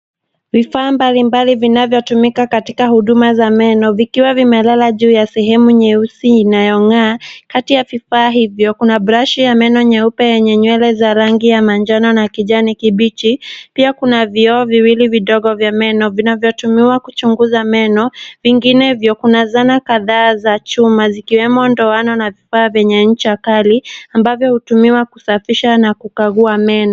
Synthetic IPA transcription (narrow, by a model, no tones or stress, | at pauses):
vifaːmbalimbalivinavjɔtumikakatikahuɗumazamɛnɔvikiwavimɛlalaʄuːjasɛɦɛmuɲɛusiinajɔŋaːkatijavifaːɦivjɔkunabɾaʃijamɛnɔɲɛupɛjɛɲɛɲwɛlɛzaɾaŋɡijamand͡ʒanɔnakiʄanikiɓit͡ʃipiakunaviɔːviwiliviɗɔɠɔvjamɛnɔvinavjɔtumiwakut͡ʃuŋɡuzamɛnɔviŋɡinɛivjɔkunazanakaðaːzat͡ʃumazikiwɛmɔndɔanɔnavifaːvjɛɲɛɲ̩t͡ʃiakaliambavjɔhutumiwakusafiʃanakukaɣuamɛnɔ